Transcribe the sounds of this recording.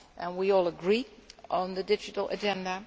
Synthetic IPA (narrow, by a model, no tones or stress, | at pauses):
ʔɨ̃nwiɔlˠəɡɹiə̃n̩ðɨdɪd͡ʒɨɾl̩ˠə̰d͡ʒɛ̃ndə